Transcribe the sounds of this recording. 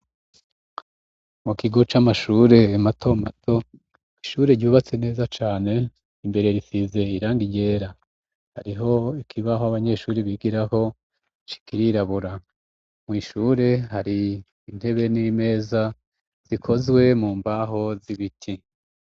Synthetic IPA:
mukiɡo̞t͡ʃamaʃuːɾe̞matʰo̞matʰo̞ | iʃuːɾe̞ɟuːβat͡sene̞ːzat͡ʃaːne̞ | imbe̞ɾe̞ɾifize̞iɾaːŋɡiɟe̞ɾa | haɾiɦo̞ikʰiβaɦoaβaɲe̞ʃuːɾiβiɡiɾaɦo̞ | t͡ʃi̥kiɾiɾaβuɾa | mŋiːʃuːɾe̞ɦaɾiː | n̥he̞βe̞nime̞ːza | z̥ikʰo̞zɡwe̞muːmbaɦo̞ziβitʰi

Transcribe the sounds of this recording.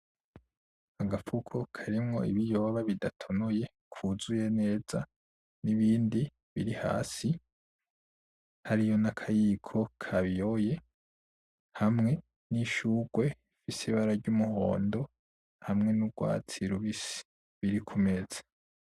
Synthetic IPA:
aɡafukʰokʰaɾimŋo̞̰iβijo̞βaβidatʰonoje̞ | kʰuzujene̞ːz̥a | niβiːndi | βiɾiha̰ːsi | haɾijo̞nakʰajikʰo̞kʰaβjoje̞ | hamŋe̞ | niʃuɡwe̞ | fisiβaɾaɾɟumuho̞̰ːndo̞ | hamŋe̞nuɡ̥wa̰ːt͡siɾuβisi̥ | βiɾikʰume̞z̥ḁ

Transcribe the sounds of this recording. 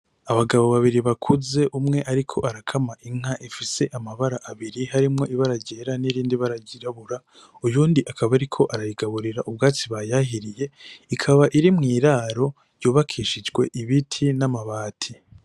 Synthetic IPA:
aβaɡaβo̞βaβiɾiβakʰuze̞ʔumŋe̞ʔaɾikʰo̞ʔaɾakʰamaʔiŋ̥aʔifise̞ʔamaβaɾaʔaβiɾihaɾimŋo̞ʔiβaɾaɟeːɾaniɾiːndiβaɾaɟiɾaβuɾa | ujuːndiʔakʰaβaɾikʰo̞ʔaɾajiɡaβuɾiɾaʔubɡaːt͡siβajaɦiɾije̞ikʰaβaʔiɾimŋiːɾaːɾo̞ | ɾjuːβakʰiːʃid͡ʒɡwe̞ʔiβitʰinamaβaːtʰi

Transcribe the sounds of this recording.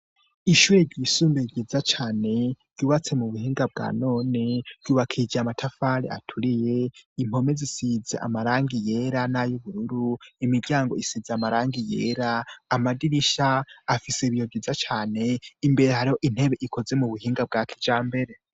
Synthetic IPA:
iʃuːɾeɾɟisuːmbeɡɟiːzat͡ʃaːne̞ɾɟ̥uːβat͡se̞muβuhiːŋɡab̚ɡa̰ːno̞ːne̞ɾ̥ɟ̥uːβakʰid͡ʒiamatʰafaɾḛa̰tʰuɾije̞im̥ho̞me̞zisizeʔa̰maɾaːŋɡije̞ɾanajuβuɾuɾuimiɾɟaːŋɡo̞isizeamaɾaːŋɡije̞̰ːɾaːmadiɾiʃaːfiseβijoɟiːzat͡ʃaːne̞imbe̞ɾehaɾiho̞ʔin̥he̞βe̞ʔikʰo̞ze̞muβuhiːŋɡab̚ɡaːkʰi̥d͡ʒaːmbe̞ɾe̞

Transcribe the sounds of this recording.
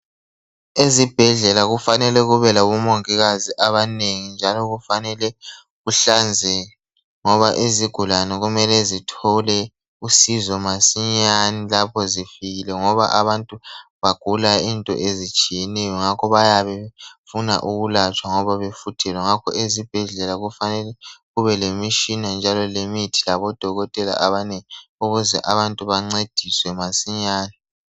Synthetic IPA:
ezib̥ʱɛɮɛlaɣufanɛlɛɣuβɛlaβumoŋiɣaziʔaβaneŋind͡ʒʱalɔɣufanɛlɛ | ɣuɬand͡zʱɛ | ŋɔβaʔeziɡ̥ʱulanɛɣumɛlɛzitʰɔlɛ | usizɔmasiɲanilapʰɔzifiɣilɛŋɔβaʔaβantʼuβaɡ̥ʱulaintʼɔ̰ʔezit͡ʃʼijɛnɛjɔŋakʰɔβajaβɛfuna̰ʔuɣulat͡ʃʼwaŋɔβaβefutʰɛlɔŋakʰɔ̰ʔezib̥ʱɛɮɛlaɣufanɛlɛɣuβɛlemiʃinand͡ʒʱalɔlemitʰi̥laβɔd̥ʱɔɣɔtʼɛla̰ʔaβanɛŋiiuɣuzɛ̰ʔaβantʼuβaŋ͡ǀed̥ʱiswɛmasiɲaːni

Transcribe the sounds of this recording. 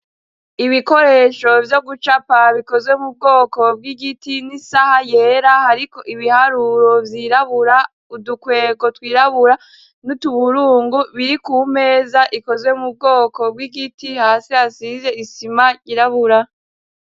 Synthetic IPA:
iβiko̞ɾe̞ːʃo̞vjo̞ɡut͡ʃapaβiko̞zwe̞mub̚ɡo̞ːko̞b̚ɡiɡitinisahajeːɾahaɾiko̞ʔiβihaɾuɾo̞vjiɾaβuɾa | udukwe̞ːɡo̞twiːɾaβuɾa | nutuβuɾuːŋɡuβiɾikume̞ːzaʔiko̞zwe̞mub̚ɡo̞ːko̞b̚ɡiɡitihaːsihasize̞isimaɟiɾaβuɾa

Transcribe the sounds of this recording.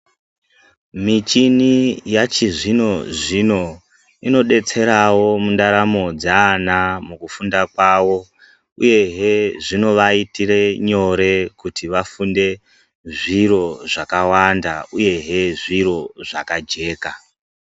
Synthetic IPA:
mit͡ʃinijat͡ʃiʐino̞ʐino̞ | ino̞ɗe̞t͡se̞ɾawo̞mundaɾamo̞d͡zaːnamukufundakwaːwo̞ | uje̞ɦeʐino̞ʋaitire̞ɲo̞ɾe̞kutʰiʋafunde̞ | ʐiɾo̞ʐakawandauje̞ɦe̞ʐiɾo̞ʐakad͡ʒe̞ːka

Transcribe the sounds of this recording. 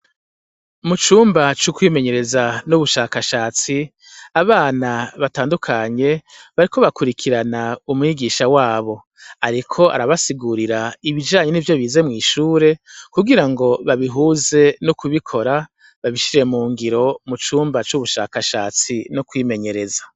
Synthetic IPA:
mut͡ʃuːmbat͡ʃukwiːme̞ɲe̞ɾe̞zanuβuʃaːkaʃaːt͡si | aβaːnaβataːndukʰaɲe̞βaɾiko̞βakuɾikʰiɾanaumŋiːɡiːʃawaːβo̞ | aɾikʰo̞a̰ɾaβasiɡuɾiɾaiβid͡ʒaːɲe̞nivjo̞βiːze̞mŋiːʃuːɾe̞kuɡiɾaŋɡo̞βaβiɦuːze̞nukuβikʰo̞ɾa | βaβiʃiɾe̞muːŋɡiɾo̞mut͡ʃuːmbat͡ʃuβuʃa̰ːkaʃa̰ːt͡sinukwiːme̞ɲe̞ɾe̞za

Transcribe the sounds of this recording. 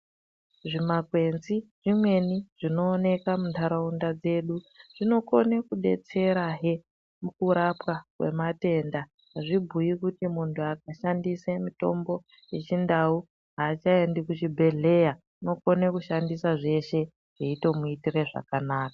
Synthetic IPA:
ʐimakwe̞nziʐimwe̞niʐ̥ino̞ːne̞kamuntaɾaundad͡ze̞ɗu | ʐ̥ino̞konekuɗe̞̰t͡se̞ɾaɦe | mukuɾapwakwe̞̰mate̞nda | ɦaʐibʱujikutimuntʰuak̚aʃandisemito̞mbo̞ | jet͡ʃindau | ɦaːt͡ʃaendikut͡ʃibʱe̞ɮe̞ja | no̞ko̞nekuʃandisaʐe̞ʃe̞ | ɦeito̞muitire̞ʐa̰kanaːkaa

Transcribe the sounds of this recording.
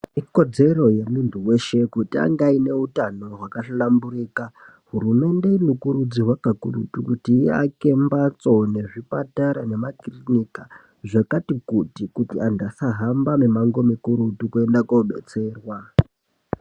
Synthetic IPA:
iko̞d͡ze̞ro̞je̞muntuwe̞ʃe̞kutia̰ŋɡaine̞utano̞ɦwakaɬalamburiːka | ɦuɾume̞nde̞inokuɾud͡ziwakakurṵtukutia̰ke̞mbat͡so̞ne̞ʐipataɾane̞makrinika | ʐakatikutikutiandasaɦambamemaŋɡo̞mikuɾutukue̞ndakouɓḛt͡se̞ːrwa

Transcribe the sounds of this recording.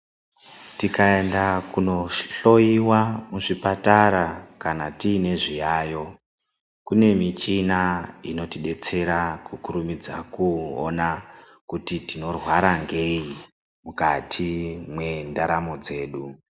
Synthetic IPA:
tikae̞ndakuno̞ɬo̞jiwamuʐipataɾakanatiːne̞ʐijaːjo̞ | kune̞mit͡ʃinaino̞tiɗe̞t͡se̞ɾakukuɾumid͡zakuo̰na | kutitino̞rwaɾaŋɡe̞i | mukatʰimwe̞ndaɾamo̞d͡ze̞ːɗu

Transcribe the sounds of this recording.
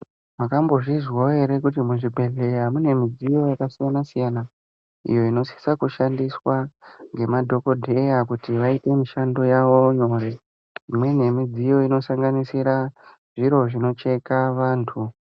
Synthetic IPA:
makambo̞ʐizwoe̞ɾe̞kut̬imuʐibʱe̞ɮe̞jamune̞mid͡zijo̞jakasijanasijana | ḭjo̞ino̞si̥sakuʃandiswaŋɡe̞madʱo̞ko̞dʱe̞jakutiʋaite̞miʃando̞jaʋo̞ɲo̞ːɾe̞ | imwe̞ne̞mid͡zijo̞ino̞saŋɡanisiɾa | ʐ̥iɾo̞ʐino̞t͡ʃe̞kaʋaːntʰu

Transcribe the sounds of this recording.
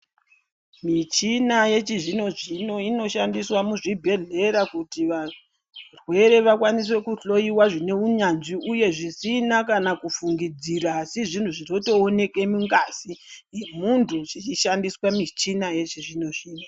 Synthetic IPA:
mit͡ʃinaje̞t͡ʃiʐino̞ʐino̞ino̞ʃandiswamuʐibʱe̞ɮe̞ɾakutiʋa | rwe̞ɾe̞ʋakwaniswe̞kuɬo̞jiwaʐine̞uɲanʐiuje̞ʐisinakanakufuŋɡid͡ziɾaːsiʐin̤uʐino̞to̞ːne̞ke̞muŋɡaːsiemuntʰut͡ʃit͡ʃiʃandiswamit͡ʃinaje̞t͡ʃiʐino̞ʐiːno

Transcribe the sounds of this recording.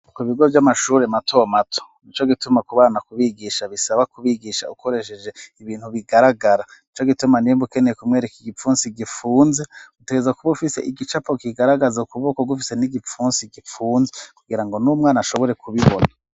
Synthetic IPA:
koiβiɡo̞vjamaʃuːɾematʰo̞matʰo̥nit͡ʃo̞ɡitumakuβaːnakuβiɡiʃaβisaβakuβiɡiʃa̰uko̞ɾe̞ʃed͡ʒe̞iβiːnhuβiɡaɾaɡaɾanit͡ʃo̞ɡitumanimbuke̞nejekumŋe̞ːɾekiɡifuːnsiɡifuːnzeɡuteɡezakuβufise̞ʔiɡit͡ʃapo̞kiɡaɾaɡazaukuβoːkoɡufise̞niɡip͡fuːnsiɡifuːnzekuɡiɾaŋɡo̞numŋaːnaʃo̞βo̞ɾe̞kʰuβiβo̰na

